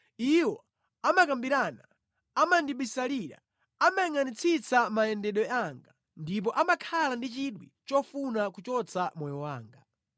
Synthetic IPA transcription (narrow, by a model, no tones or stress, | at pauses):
iwɔ | amakambiɾana | amandiɓisaliɾa̰ | amajiŋanit͡sʰit͡samajɛndɛɗɔaŋɡa | ndip̬ɔʔamakʰalandit͡ʃiɗwḭt͡ʃɔfunakut͡ʃɔt͡sʰamɔjɔwaːŋɡa